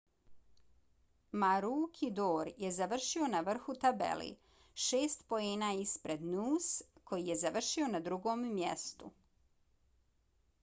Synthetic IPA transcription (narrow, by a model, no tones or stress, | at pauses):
maɾuːkʰid̪oːɾjezaʋr̩ʃio̞naʋr̩xut̪abḛlḭ | ʃeːst̪po̞eːnaːispɾe̞d̪nuːskʰo̞jije̞zaʋr̩ʃio̞nad̪ɾuɡo̞ːmːjḛst̪ṵ